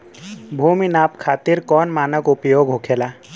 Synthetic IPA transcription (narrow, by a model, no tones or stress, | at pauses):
bʱuːminaːpkʰaːt̪iɾkɔːnmaːnəkupjoːɡɦokʰela